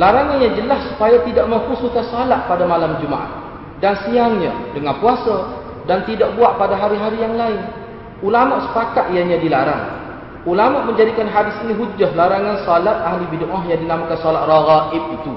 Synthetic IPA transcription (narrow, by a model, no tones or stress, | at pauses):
laɾaŋanjãd͡ʒəlassu̥pajat̪idaʔməŋkusuhkansalaʔ̪̚padamalamd͡ʒuma̰ʔa̰h | dansiaŋɲã̰dəŋanpuasa | dant̪idaʔbuaʔpadaɦaɾiɦaɾijaŋlaɪn | ulamaʔsə̥pakat̪̚jaɲadilaɾa̰ŋ | ulamaʔməɲd͡ʒadikanɦadɪsiniɦud͡ʒahlaɾaŋansalat̪̚aɦlibidoŋaɦjaŋdinamakansɔlat̪̚raɣaʔɪb̚it̪u